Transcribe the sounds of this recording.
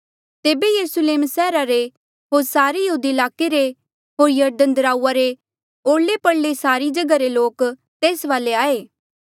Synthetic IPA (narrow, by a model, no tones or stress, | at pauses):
t̪eːbejɐɾʊsleːmsɛːɾaɾe | ɦoːɾsaːɾejəɦuːd̪iɪlaːkeɾe | ɦoːɾjɐɾd̪ə̃nd̪əɾaːuaɾe | oːɽlepɐɽlesaːɾid͡ʒɐɡaɾeloːk | t̪eːsʋaːleaːeː